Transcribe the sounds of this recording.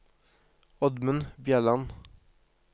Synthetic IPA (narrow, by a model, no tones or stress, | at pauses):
ɔd̪mʉnbjæːɭɑn